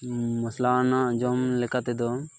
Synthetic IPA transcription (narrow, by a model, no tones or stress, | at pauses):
məslanad͡ʒɔmlɛkat̪ɛd̪ɔ